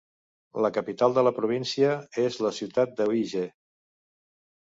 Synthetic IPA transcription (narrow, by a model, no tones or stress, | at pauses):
ləkəpit̪alˠd̪ələpɾuβ̞insiəezləsiwt̪at̪̚d̪əiʒe